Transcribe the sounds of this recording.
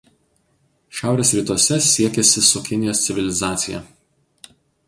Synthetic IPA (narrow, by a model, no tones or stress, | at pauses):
ʃʲæˑʊɾʲeːsɾʲiːt̪uɔsʲɛsʲiɛkʲɛsʲɪsʊkʲɪnʲɪjoːst̪ʲɪʋʲɪlʲɪzɑːt̪sʲɪjɛ̰